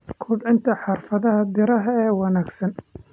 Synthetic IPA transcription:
kʰʊːbʕɪnt̪ʰɐħɑrfɐðɐɦɐd̪ɪɾɐɦɐɛːwɑnaːɡsɐn

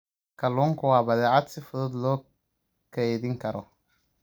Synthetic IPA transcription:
kɐlɔŋkʊwaːbɐðɛat̪sɪfʊðɔd̪lɔː | kɛjdɪŋkɐɾɔ̰

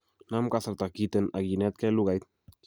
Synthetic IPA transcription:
namkaθaɾt̪akit̪enaɡinɛt̪̚kɛluɣajt̪̚

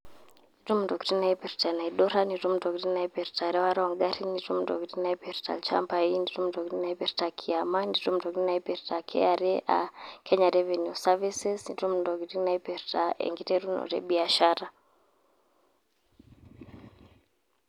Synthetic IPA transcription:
nditumdɔktinaɛpɛɾtanaiɗɔɾanitum̩dɔktinaipɛɾtaɾɛwaɾaɔŋɡaɾinitum̩dɔ̰ktinaipɛɾta̰lt͡ʃa̰mpainditumdɔkɾinaɛpɛɾtakʰiamanditum̩dɔkɾinaɛpɛɾtakʰɛ̰aɾɛʔa̰kɛɲaɾɛvɛnjusavisɛsnitum̩dɔɡitinaipɛɾtaʔɛ̰ŋɡitɛɾunɔ̰ɾɛ̰ɓiaʃaɾa

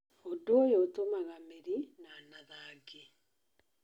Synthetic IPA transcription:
odoojotomaɣameɾinanaðaːɡe

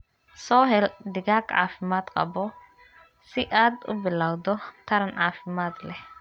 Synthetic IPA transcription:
soːɦɛld̪ɪɡaːkʼa̰ːfɪmaːt̪qʼɐ̰bɔ | sɪʔad̪ʊ̰bɪlawd̪ɔt̪ɐɾɐnaːfɪmaːt̪lɛ

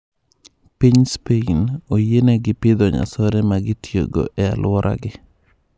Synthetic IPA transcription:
piɲspeinojeneɡɪpɪd̪ɔɲa̰sɔɾɛmaɡɪtjo̰ɡo̰ʔɛa̰lwɔɾʔa̰ɡɪ

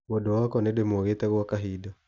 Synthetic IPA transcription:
wodowakɔnedemoɣetɛɣwakaɦida

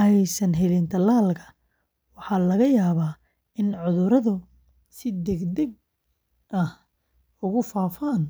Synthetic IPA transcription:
ɛjsɐnɦɛlint̪ʰɐlaːlkʰɐ̥ | wɑħɑːlɐɣɐjaːβaː | ɪnʕʊðʊɾɐðʊ | sɪd̪ɛɡd̪ɛɡ̚ | ʔɐh | ʊɣʊfaːfaːn

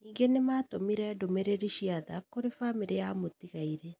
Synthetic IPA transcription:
niːŋɡenemaːtomiɾɛdomeɾeɾiɕiaðakoɾefameɾejamotiɣaiɾɛ

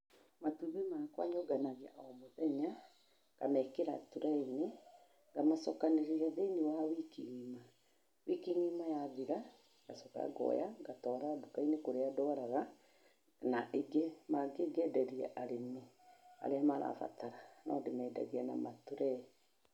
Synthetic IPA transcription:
matuβemakwa̰ɲɔɡanaɣeaʔɔmoðɛɲa | ɡ̥amɛkeɾatuɾaine | ŋɡamasɔkaneɾiɾaðeinewawikiŋima | wikiŋimajaðiɾa | ɡ̥asɔka̰a̰ɡɔ̰jaɡatɔːɾadokainekoɾeadɔɾaɣa | naʔeɡemaɡeɡɛdɛɾiɛ̰ʔaɾemea̰ɾeamaɾa̰fa̰taɾana̰odemɛːda̰ɣeana̰matuɾɛ

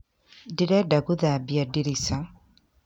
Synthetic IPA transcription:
diɾedaɡuðabjadiɾisa

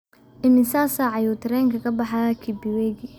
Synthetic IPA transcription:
ʔɪmɪsaːsaʕɑjut̪ʰɐɾɛːŋkʰɐkʰɐbɑħɑkʰibɪwɛːɡi

